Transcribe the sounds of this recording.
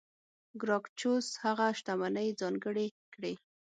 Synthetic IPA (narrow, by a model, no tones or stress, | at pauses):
ɡɾɑkt͡ʃoshaɣaʃt̪amanəjd͡zɑŋɡəɽekɽe